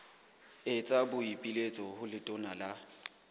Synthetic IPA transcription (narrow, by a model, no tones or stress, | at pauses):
ɪt͡sʼabʊipʼilet͡sʼɔhʊlɪtʼʊnala